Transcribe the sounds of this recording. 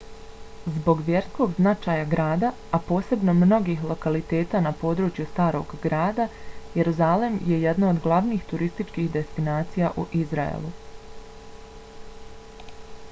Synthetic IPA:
zbo̞ɡʋjeɾsko̞ɡznat͡ʃaːjaɡɾaːd̪a | apo̞ːse̞bno̞mno̞ɡixlˠo̞kalit̪e̞ːt̪aːnapo̞ːd̪ɾut͡ʃjust̪aːɾoɡːɾaːd̪ajeɾuzale̞mje̞jed̪naod̪ɡlˠaʋniːxt̪uɾist̪it͡ʃkiːhd̪e̞st̪inaːt̪sijaʔuʔizɾaḛlˠu

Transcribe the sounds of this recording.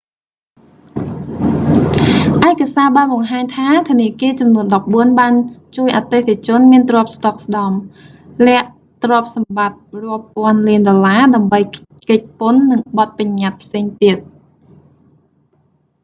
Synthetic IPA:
ʔaɛkasaːɓaːnɓɑŋɦaːɲt̪ʰaːt̪ʰə̆niəkiət͡ɕɑmnuənɗɑp̚ɓuənɓaːnt͡ɕuəjʔat̪eːt̪ʰit͡ɕʊ̆ənmiənt̪rŏəp̚st̪ok̚sɗɑm | lɛ̆əʔ | t̪rŏəp̚sɑmɓat̪̚rŏəpːŏənliənɗolaːɗaəmɓəj | kəc̚pʊnːɨŋɓɑt̪̚paɲːat̪̚pʰseːŋt̪iət̪̚

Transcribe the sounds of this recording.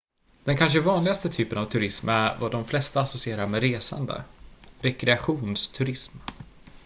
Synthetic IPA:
d̪̥ɛnkʰanʂəvɑːnlɪɡast̪ət̪ʰyːpənavt̪ʰɵɾɪsmæɾvad̪ɔmflɛst̪aːsɔsɪeːɾaɾmɛɾeːsa̰nd̪ə̰ɾɛkɾɛaɧuːnst̪ʰɵɾɪsm

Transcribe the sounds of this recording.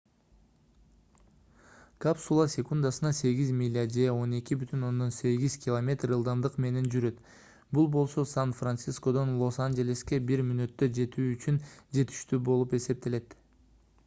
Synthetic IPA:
kapsulˠasʲe̞kund̪asɯnɑse̞ɡizmʲilʲːad͡ʒe̞o̞ne̞kʲibyt̪ʰyno̞nd̪o̞nse̞ɡʲizkʲɪlˠomʲe̞t̪rɯlˠd̪ɑmd̪ɯqme̞ne̞nd͡ʒyɾø̞t̪ | bulˠbo̞lˠso̞sanfrant̪sisko̞d̪o̞nlˠo̞sand͡ʒe̞lʲeske̞biɾmynø̞t̪ːø̞d͡ʒe̞t̪yːyt͡ʃʰynd͡ʒe̞t̪ʰi̥ʃt̪yːbo̞lˠupe̞se̞p̚t̪e̞le̞t̪

